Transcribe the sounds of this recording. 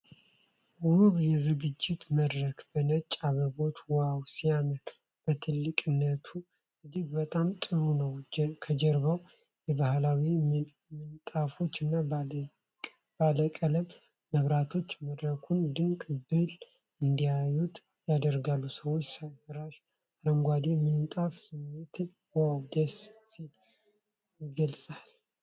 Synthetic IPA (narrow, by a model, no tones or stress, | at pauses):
wʊβjɛzɨɡɨd͡ʒːɪt̪məd̪ɾəkbənət͡ʃʼaβəbo̞t̪wawsijamən | b̥ət̪ʰɨlːɨkʼɨnːət̪ʰu | ɨd͡ʒiɡbət̪ʼamt̪ʼɨɾunəwkʰəd͡ʒəɾβəw | jɛbahlawi | mɨnt̪ʼafo̞t͡ʃːɨnːa | baləkʼələmː | əβɾat̪ʰo̞t͡ʃːməd̪ɾəkʰund̪ɨŋkʼbɨl | ɨnd̪ijajut̪ʼ | jad̪əɾɡalːusəwo̞t͡ʃːsafəɾaʃ | aɾəŋɡʷad̪imɨnt̪ʼafsɨmːet̪ | wad̪əssil | jɪɡəlsʼal